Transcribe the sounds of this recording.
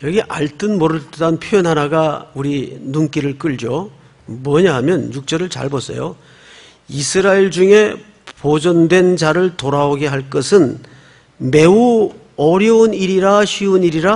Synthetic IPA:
jʌɡiʔaɭt͈ɯnmʌɾɯɭttanpʰjojʌnɦaɾaɡauɾinunk͈iɾɯɭk͈ɯɭd͡ʑo | mwʌɲaɦamjʌnjuk̚t͡ɕ͈ʌɾɯɭt͡ɕa̰ɭbʌs͈ʰʌ̰jo̰ | isʰɯɾaiɭd͡ʑuŋe̞ | pod͡ʑʌndwe̞nd͡ʑaɾɯɭtoɾaoɡe̞ɦaɭk͈ʌsʰɯn | me̞u | ʌɾjʌuniɾiɾaɕʰiuniɾiɾa

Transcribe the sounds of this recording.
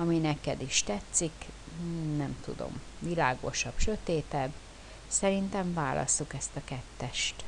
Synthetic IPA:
ɒminɛkɛd̪iʃt̪ɛt̪sik | nɛmt̪ṵd̪o̞̰m | vilaːɡo̞̰ʃɒb̥ʃø̞t̪eːt̪ɛbː | sɛɾint̪ɛɱvaːlɒ̰sːukɛst̪ɒkɛt̪ːɛʃt̪

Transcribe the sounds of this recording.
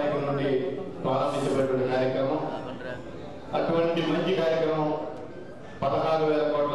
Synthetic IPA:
ɾɐkɐmnuɳɖipɾaːlɐmd̪iɲt͡ʃːɐbɐʈːunːɐkaːɾjɐkɾɐmɐm | ɐʈuʋɐɳʈimɐɲt͡ʃikaːɾjɐkɾɐmɐm | pɐd̪ɐɦaːɾuʋɛːlɐkoːʈl

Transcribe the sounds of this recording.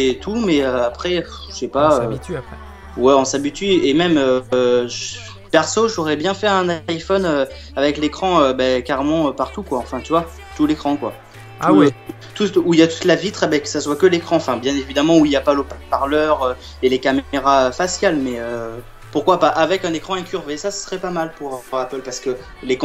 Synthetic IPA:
et̪ʰumɛøapχɛ | əʃɛpaøɛ | wɛɔ̃sabit̪ɥiemɛmøʒ | pɛʁsoʒɔʁɛbjɛ̃fɛʁɛ̃naifɔnø | avɛklekχɑ̃øbɛkaʁemɑ̃øpaʁt̪ukwaɑ̃fɛ̃t̪yvwa | t̪ulekχɑ̃kwa̰ | t̪uɛ | t̪uuiljat̪u̥t̪lavit̪χabɛkə̥saswakəlekχɑ̃ɑ̃fɛ̃bjɛ̃nevid̪amɑ̃uiljapalopapaʁlœʁø | elekameʁaøfasjalmɛø | puʁkwapaʔavɛkɛ̃nekχɑ̃ɛ̃kʲyʁvesasə̥sχɛpamalpuʁpuʁapəlpaʁsə̥kə | lek

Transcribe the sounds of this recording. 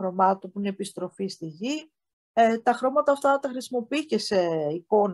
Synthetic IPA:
ɾo̞mɐt̪opuinepist̪ɾo̞fist̪iʝi | t̪ɐxɾo̞mɐt̪ɐːft̪ɐt̪ɐxɾisimo̞piice̞se̞iko̞n

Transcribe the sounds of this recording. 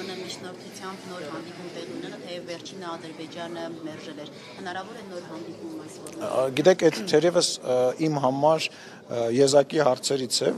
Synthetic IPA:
nɛmit͡ʃʰnɔɾt̪ʰut͡sʰjɑmbnɔɾhɑnd̪ipumt̪ɛʁunɛɾət̪ʰɛjɛvːɛɾt͡ʃʰinəɑd̪əɾbɛd͡ʒɑnəmɛɾʒɛlɛɾ | hənɑɾɑvɔɾɛnɔɾɦɑnd̪ipumɑsɔɡit̪ɛkʰɛt̪t̪ʰɛɾjɛvəsimɦɑmɑɾ | jɛzɑkiɦɑɾt͡sʰɛɾit͡sʰɛ

